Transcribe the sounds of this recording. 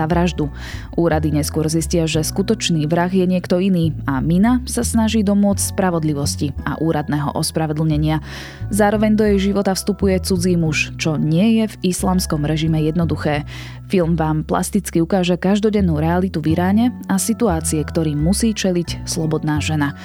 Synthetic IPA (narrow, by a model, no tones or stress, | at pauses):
aʋɾaʒd̪u | ʔuːɾad̪iɲɛskʊɔɾziscɪaʒɛskut̪ɔt͡ʃniːʋɾaɣjɛɲɪɛkt̪ɔiniːaminasasnaʒiːd̪ɔmʊɔt͡sspɾaʋɔd̪liʋɔscia̰ʔuːɾad̪nɛːɦɔ̰ʔɔspɾaʋɔd̪l̩ɲɛɲɪa | zaːɾɔʋɛɲd̪ɔjɛjʒiʋɔt̪afst̪upujɛt͡sud͡ziːmuʃt͡ʃɔɲɪɛjɛvislaːmskɔmɾɛʒimɛjɛd̪nɔd̪uxɛː | filˠmʋaːmpla̰st̪it͡skiukaːʒɛkaʒd̪ɔɟɛnːuːɾɛalit̪uʋiɾaːɲɛasit̪uaːt͡siɛkt̪ɔɾiːusiːt͡ʃɛlicslɔbɔd̪naːʒɛna